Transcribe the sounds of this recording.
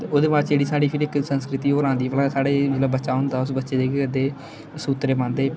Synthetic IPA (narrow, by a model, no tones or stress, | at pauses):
t̪eoːd̪eːmaːt͡ʃd͡ʒeːɽiːsaːɽiːpʰɪɾɪksə̃nskɾɪt̪iːoːɾãːnd̪iːpəlãːsaːɽeːmət̪ləbːətːʃaːɦʊ̃nd̪aːʊsbətːʃeːd͡ʒeːɡekəd̪eː | suːt̪ɾeːpãːnd̪eː